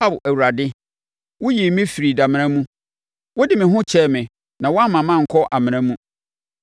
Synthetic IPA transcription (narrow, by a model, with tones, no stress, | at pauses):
a˦bæ˨wu˨ɾa˨dɪ˦ | wʊ˦ji˨˦mĩ˦fi˨ɾi˨da˨mɪ̃˨ɾ̃ã˦mũ˦ | wʊ˦dɪ˨mɪ̃˨ɦʊ̃˦t͡ɕʰɛ˦mɪ̃˨ | nã˨wɔ˦a˦mã˨mã˦˨ŋ̩˨kʰɔ˦ʔa˨mɪ̃˨ɾã˦mũ˦